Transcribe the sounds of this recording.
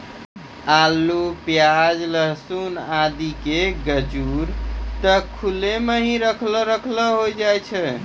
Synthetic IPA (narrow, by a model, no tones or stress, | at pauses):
alːupjad͡ʒləɦsunad̪ikeɡəd͡ʒuɾt̪əkʰːulemeɦĩɾəkʰlɔɾəkʰləɦojd͡ʒajt͡ʃʰɛ